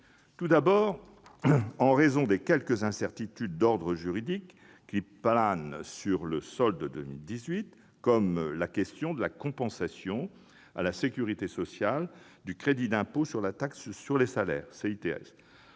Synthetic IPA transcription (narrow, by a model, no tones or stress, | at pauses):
t̪ud̪abɔːʁ | ɑ̃ʁezɔ̃d̪ekʲɛlkəzɛ̃sɛʁt̪it̪yd̪ːɔʁd̪ʁəʒyʁid̪ikː | iplansyʁləsɔld̪əd̪əmild̪izɥit̪ | kɔmlakʲɛst̪jɔ̃d̪əlakɔ̃pɑ̃sasjɔ̃ | a̰lasekʲyʁit̪esɔsjal | d̪ykχed̪id̪ɛ̃posyʁlat̪akssyʁlesalɛ̰ːʁseit̪eɛ̰s